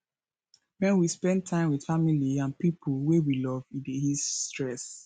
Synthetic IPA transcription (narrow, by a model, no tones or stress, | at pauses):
mɛ̃nwispɛ̃ntʰãɪ̃mwid̥familiãnpipʰulwewilɔvĩdehisstɹɛs